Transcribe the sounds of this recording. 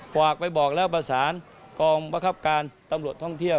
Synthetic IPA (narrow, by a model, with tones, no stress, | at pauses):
faː˨˩k̚pa˧jbɔː˨˩k̚lɛː˦˥˩wp̬ɾa˧saː˩˦n | kɔː˧ŋba˧ŋkʰa˦˥p̚kaː˧nt̪a˧mɾu˨˩ət̪ʰːɔ˥˩ŋt̪ʰi˥˩əw